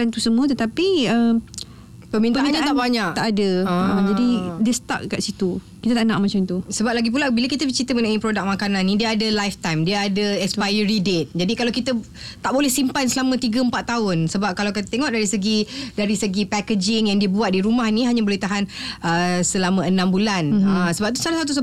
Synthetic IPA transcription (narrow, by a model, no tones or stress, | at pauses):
ant̪usəmũət̪ət̪apiəm | pəmintpəaiat̪aʔbaɲakt̪aʔadəəəd͡ʒadidiəsə̥t̪a̰ʔkaʔsit̪u | kit̪ət̪aʔnaʔ̚mãt͡ʃamt̪usəbap̚laɡip̬ulabilakit̪əit͡ʃit̪əmənaipɾodak̚makanãnːĩdiəːdəlajft̪ajmdiəadəɛkspajəɾidet̪̚d͡ʒadikalawkit̪ə | t̪aʔbolɛhsimpansəlamə̃t̪iɡəəmpat̪ːaʊnsəbap̚kalawkit̪ət̪eŋɔʔdaɾisəɡidaɾisəɡipɛkəd͡ʒɪŋjaŋdiəbuat̪̚diɾumahnĩɦaɲabolɛht̪aɦanʔəsəlamə̃ənãmbulanəsəbap̚t̪usalasat̪̬us̬ə